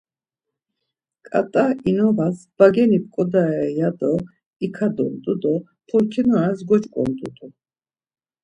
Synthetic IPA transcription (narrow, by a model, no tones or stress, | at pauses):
kʼa̰t̪ʼainɔvasb̥aɡɛnipkʼɔd̪aɛjad̪ɔ | ikʰad̪ɔ̰ɾd̪ʼud̪ɔ | pʰɔɾkʰinuasɡɔt͡ʃʼkʼɔ̰nd̪ʼṵd̪u